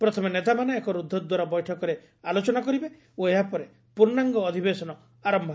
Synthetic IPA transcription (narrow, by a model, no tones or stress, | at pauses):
pɾɔt̪ʰɔmenet̪amanɔekɔɾud̪ʱːɔd̪waɾabɔjʈʰɔkɔɾe | alot͡ʃɔnakɔɾibe | oeɦapɔɾe | puɾnaŋɡɔːd̪ʱibesɔnɔ | aɾɔmbʱ